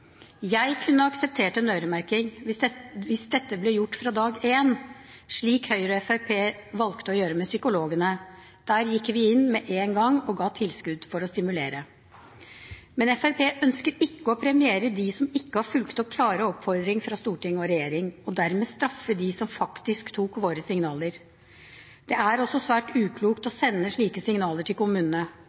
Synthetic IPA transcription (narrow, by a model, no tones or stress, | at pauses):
jæɪkʰʉnːəɑksəp̚t̪ʰeːʈəənœːɾəmæɾkɪŋʋɪɛʋɪsd̪ɛt̪ːəblɛjʊʈːfɾɑd̪ɑːɡeːnʂɭiːkhœʏɾɔɛfæɾpʰeːʋɑlkt̪əɔjøːɾəmɛsʏkʊloːɡənə | d̪̥æːɾjɪkːʋɪɪnːmɛʔeːnɡɑŋɔɡɑːt̪ʰɪlskʉd̪fɔɾɔst̪ɪmʉleːɾə | mɛnɛfæɾpʰeːʔœnskəɾɪkːəɔpʰɾɛmɪeːɾəd̪ɪsɔmɪkːəhɑɾfʉlkt̪ɔkʰlɑːɾəɔpfɔɾd̪ɾɪŋfɾɑst̪uːʈɪŋːɔɾɛjeːɾɪŋɔd̪æɾmeːst̪ɾɑfːəd̪ɪsɔmfɑkt̪ɪskt̪ʰuːkʋoːɾəsɪŋnɑːl̪əɾ | d̪̥ɛæɾɔsːɔsʋæːʈʉːkʰluːkt̪ɔsɛnːəʂɭiːkəsɪŋnɑːləʈʰɪlkʊmʉːnənə